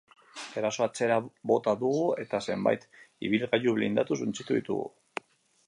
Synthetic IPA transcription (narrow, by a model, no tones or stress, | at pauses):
e̞ɾaso̞at͡se̞ɾabo̞t̪aðuɣue̞t̪ase̞mba̰jt̪ḭβ̞ilɣaʎuβlind̪at̪us̬unt͡sit̪uðḭt̪ṵɣṵ